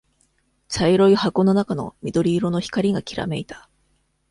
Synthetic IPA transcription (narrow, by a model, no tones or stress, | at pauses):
t͡ɕaiɾo̞ihako̞no̞nakano̞̰mʲid̪o̞ɾʲiːɾo̞no̞çi̥kaɾʲiɡakʲiɾa̰me̞it̪ḁ